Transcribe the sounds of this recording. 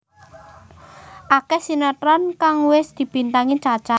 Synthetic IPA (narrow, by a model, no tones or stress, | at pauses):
ʔakɛhsinəʈɾankaŋwɪsd̪̥i̤b̥i̤nt̪aŋi̥t͡ʃḁt͡ʃa